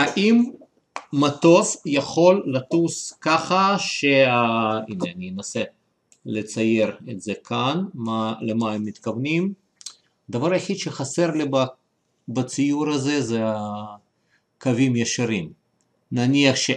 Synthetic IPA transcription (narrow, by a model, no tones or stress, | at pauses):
aʔimː | at̪o̞fjaχo̞lːat̪uskaχaʃeaineanijenase | let͡saje̞ɾet̪z̥ekʰanmalemaemːit̪kavnim | d̪avaɾjaħid̪ʃeχaseɾliba | bat͡sijuɾazezea | kavimjaʃaɾim | naniaχʃe